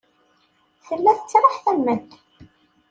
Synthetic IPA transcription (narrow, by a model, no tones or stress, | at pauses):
θəlːæθət͡sːɾˤɪħθælmæd̪